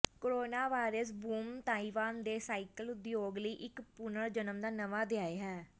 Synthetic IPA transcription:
koɾoːnaːʋaːɾəs̬buːmt̪aːiʋaːnd̪eːsaːɪkəlʊd̪joːɡləiːʔɪkpʊnəɾd͡ʒənəmd̪aːnəʋaːd̪ɪjaːeːɦɛː

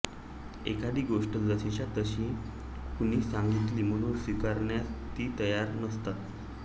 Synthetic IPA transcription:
ekad̪iːɡoʂʈələsiɕat̪əɕĩː | puñiːsãŋɡit̪liːm̤əɽ̃uːnsʋikaɾɳjat̪iːt̪əjaɾnəst̪at̪

